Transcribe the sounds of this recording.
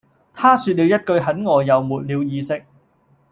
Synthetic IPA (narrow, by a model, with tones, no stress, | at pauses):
t̪ʰaː˥syː˧t̚liː˨˧wjɐ˥t̚kɵ˧ɥɦɐ˨˥nŋɔː˨˩jɐ˨wmuː˨t̚liː˨˧wjiː˨˧sɪ˥k̚